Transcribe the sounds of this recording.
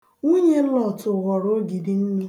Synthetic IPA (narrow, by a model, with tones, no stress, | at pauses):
u˦ɲe˦n̩˦lɔ˨tʊ˨ɣɔ˨ɾo˦ɡi˨di˨m̩˦mi˦